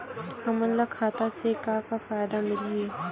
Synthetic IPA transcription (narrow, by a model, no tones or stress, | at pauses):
ɐmənlakʰaːt̪asekakafaːjd̪amɪliː